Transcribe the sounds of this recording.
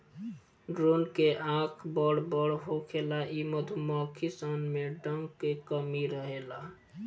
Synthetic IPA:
ɖɾonkeʔãkʰbəɽbəɽɦokʰelaʔiməd̪ʱumakʰisanmeɖəŋɡkekəmiɾəɦela

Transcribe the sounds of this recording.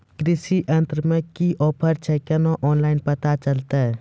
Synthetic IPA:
kɾɪsiʔə̃nt̪ɾmẽkiʔɔːpʰəɾt͡ʃʰɛkɛnoʔɔːnlaːɪnpət̪at͡ʃəlt̪a

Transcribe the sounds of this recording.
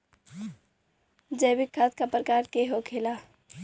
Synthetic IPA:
d͡ʒəjbɪkʰːaːt̪̚kapɾəkaːɾkeɦokʰeːla

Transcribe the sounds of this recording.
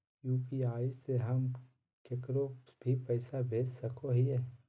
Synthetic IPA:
juːpiaːiseɦɐm | kekɾobʱipɛɪsabʱeːd͡ʒsɐkoɦiɛː

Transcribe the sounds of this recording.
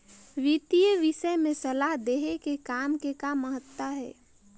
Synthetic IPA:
ʋit̪ijəʋisəemẽsəlaɦd̪eɦekekaːmkekamːəɦət̪wəɦɛ̰ː

